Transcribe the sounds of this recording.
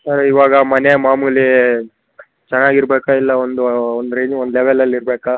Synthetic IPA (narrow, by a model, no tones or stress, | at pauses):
sɐɾiʋaːɡɐmɐneɐmaːmuli | t͡ʃɛnːaːɡiɾbeːkailːɐond̪uond̪ɾed͡ʒond̪leʋɛlːɐlːiɾbeːka